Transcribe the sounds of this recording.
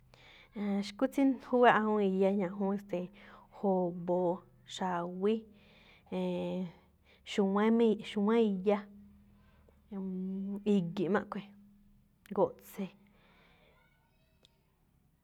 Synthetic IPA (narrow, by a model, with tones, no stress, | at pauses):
e˧ʃkʷi˦t͡si˦nhu˦wa˦ʔhũ˦i˧˨ja˧ɲã˨ʔɦũː˦e˧st̪e˨ho˨bo˨ | ʃa˨wi˦ | ẽ˨ | ʃu˧wã˦mĩ˦ʃu˧wã˦i˧˨ja˦ | i˧ɡi˨mã̰˦˧ʔkʷe˨ | ɡo˨ʔt͡se˧˨